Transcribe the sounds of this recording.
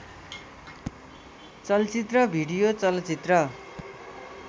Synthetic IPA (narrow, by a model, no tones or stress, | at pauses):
t͡sʌlt͡sit̪rʌbʱiɽijot͡sʌlt͡sit̪rʌ